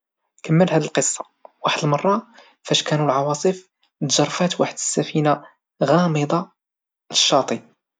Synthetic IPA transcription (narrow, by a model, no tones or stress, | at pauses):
kəmːəlhæd̪ilqəsˤːɑ̥ | waħəd̪əlmɑrˤːɑ | fæʃkænulʕɑwɑsˤəf | t̪ʒɑrˤːfæt̪waħəd̪əsːæfina | ɣɑməd̪ˤɑ | ləʃːɑt̪ˤi